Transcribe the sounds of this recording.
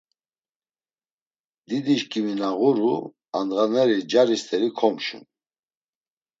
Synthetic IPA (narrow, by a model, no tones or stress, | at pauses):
d̪id̪iʃkʼiminaɣuɾu | and̪ʁanɛɾid͡ʒaɾist̪ʰʼɛɾikʰɔmʃṵn